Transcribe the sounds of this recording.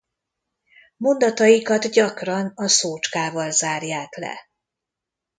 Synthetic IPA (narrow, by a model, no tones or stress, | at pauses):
mo̞nd̪ɒt̪ɒjikɒd̪ɟɒkrɒnɒsoːt͡ʃkaːvɒlzaːrjaːklɛ̰